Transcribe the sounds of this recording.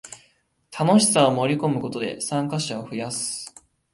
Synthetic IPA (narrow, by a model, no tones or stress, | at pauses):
t̪ʰano̞ɕi̥saomo̞ɾʲiko̞mɯ̟ko̞t̪o̞d̪e̞̰sãŋkaɕaoɸɯ̟jasɨ̥